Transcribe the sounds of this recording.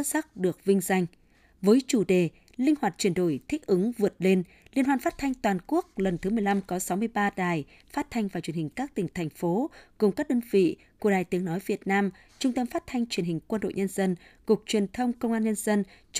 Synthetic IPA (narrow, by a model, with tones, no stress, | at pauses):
t̚sa˦˥k̚ɗɨ˨˩ək̚vï˧ŋ̟za˧jŋ̟ | vəː˨˦jt͡ɕu˧˩ɗe˨˩ | lï˧ŋ̟hwaː˨˩t̚t͡ɕwi˧˩ənɗo˧˩jt̪ʰï˦˥k̟̚ʔɨ˨˦ŋvɨ˨˩ət̚le˧n | li˧ənhwaː˧nfaː˦˥t̚t̪ʰa˧jŋ̟t̪waː˨˩nku˦˥ək̚lə˨˩nt̪ʰɨ˨˦mɨ˨˩əjla˧mkɔ˨˦sa˨˦wmɨ˧əjɓaː˧ɗaː˨˩j | faː˦˥t̚t̪ʰa˧jŋ̟vaː˨˩t͡ɕwənhï˨˩ŋ̟kaː˦˥k̚t̪ï˨˩ŋ̟t̪ʰɛ˨˩jŋ̟fo˨˦kʊ˨˩ŋ͡mkaː˦˥k̚ɗəː˧nvḭ˧˨ | ku˧˩əɗaː˨˩jt̪i˨˦əŋnɔ˨˦jvi˨˩ət̚naː˧m | t͡ɕʊ˧ŋ͡mt̪ə˧mfaː˦˥t̚t̪ʰa˧jŋ̟t͡ɕwi˨˩ənhï˨˩ŋ̟kwə˧nɗo̰˧˨jɲə˧nzə˧nkʊ˨˩k͡p̚t͡ɕwi˨˩ənt̪ʰə˧wŋ͡mkə˧wŋ͡mʔaː˧nɲə˧nzə˧nt͡ɕ